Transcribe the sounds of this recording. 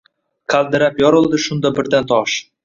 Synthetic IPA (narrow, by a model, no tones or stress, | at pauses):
kæld̪ɘ̆ɾæpjoɾɤ̆lˠd̪ɤ̆ʃund̪ɑbɘ̆rd̪ænt̪ɑʃ